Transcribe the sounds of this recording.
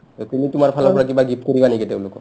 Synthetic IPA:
ɔtumitʊmaɹpʰalapɔɹak̬ibaɡipkoɹibanekiteʊ̃lʊkɔ̰

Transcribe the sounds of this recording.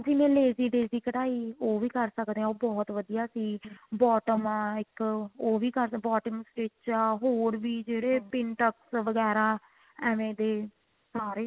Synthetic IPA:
siːnẽːleːziːɖeːziːkəʈaːiːoːʋiːkəɾsəkd̪eːãoːbɔːt̪ʋəd̪ijaːsiːbɔːʈəmːɪkoːʋiːkəɾbɔːʈəmsʈeːt͡ʃaɦoːɾʋiːd͡ʒeːɽeːpɪnʈəksʋəɡɛːɾaː | ɛːʋẽːd̪eː | saːɾeː

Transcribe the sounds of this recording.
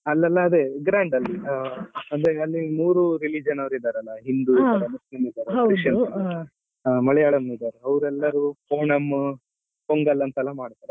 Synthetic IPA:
ɐlːɐlːɐːd̪eːɡɾaːɳɖɐlːi | ɐnd̪ɾeeɐlːimuːɾuɾilid͡ʒɐnɐʋɾid̪aːɾeɐlːɐɦind̪ud̪aːɾemɐsinid̪aːɾeʃɐn | amɐɭɛjaːɭɐnid̪aːɾeɐʋɾɛlːɐɾukoːɳɐm | koŋɡɐlːɐnt̪ɐɛlːɐmaːɽt̪aːɾe

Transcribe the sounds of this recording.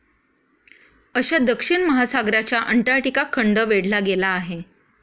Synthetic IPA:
əɕad̪əkʂiɳməɦasaɡɾat͡ɕjaʔəɳʈaɾʈikakʰːəɳɖəʋeɽlaɡelaːɦe

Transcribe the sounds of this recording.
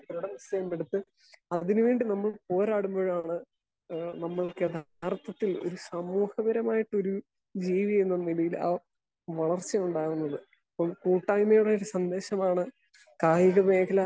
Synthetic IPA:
pɾuɽɐmst̪ɐjɐmpeɽut̪ːɨ | ɐðinuʋeːɳɖinɐmːɐɭpo̞ːɾaːɽumbo̞ːɻmaːɳɨ | nɐmːɐɭkɨd̪ʱa | rt̪ːɐt̪ːilo̞̰ɾusɐmuːhɐbɐɾɐmaːjiʈːo̞ɾu | d͡ʑiːʋienːɐnilɐjila̰ː | ʋɐɭɐrt͡ɕːɐmuɳɖaːɣunːɐðɨ | ɐpːɐmkuːʈːaːjmɐjuɽeoɾusɐnd̪e̞ːɕɐmaːɳɨ | kaːjiɣɐme̞ːkɐlɐ

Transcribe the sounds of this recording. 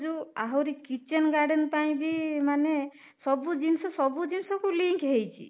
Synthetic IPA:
d͡ʒuaɦɔɾikit͡ʃenɡaɾɖenpaj̃bimane | sɔbud͡ʒinsɔsɔbud͡ʒinsɔkuliŋkɦejt͡ʃʰḭ

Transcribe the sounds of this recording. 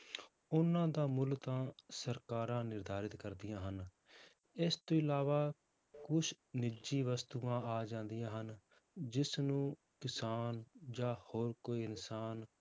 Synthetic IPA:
ʊnãːd̪aːmʊlt̪ãːsəɾkaːɾãːnɪɾd̪ʱaːɾɪt̪kəɾd̪ɪjãːɦən | ɪst̪õːɪlaːʋaː | kʊʃʰ | nɪd͡ʒiːʋəst̪uːãːaːd͡ʒãːnd̪ijãːɦən | d͡ʒɪsnũː | kɪsaːnd͡ʒaːhoːɾkoːiːɪnsaːn

